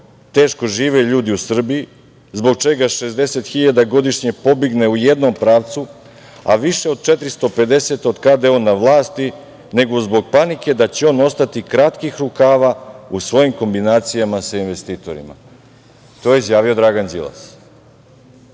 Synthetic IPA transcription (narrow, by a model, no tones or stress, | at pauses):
t̪e̞ːʃko̞ʒiːʋe̞ʎuːd̪iusr̩bii | zbo̞ɡ̚t͡ʃe̞ɡaʃe̞zd̪e̞se̞t̪xiʎad̪aɡo̞d̪iʃɲe̞po̞biɡne̞uje̞d̪no̞mpɾaːʋt̪su | a̰ʋiʃe̞o̞d̪̚t͡ʃe̞t̪ɾist̪o̞pe̞d̪e̞se̞t̪o̞d̪kad̪ao̞nːaʋlˠaːst̪i | ne̞ɡozbo̞ɡ̚panike̞d̪at͡ɕeo̞no̞st̪at̪ikɾat̪kixɾukaːʋausʋo̞jimko̞mbinaːt̪sijamasainʋe̞st̪iːt̪o̞̰ɾḭma̰ | t̪oːjeizjaːʋio̞d̪ɾaɡanzḭlˠa̰s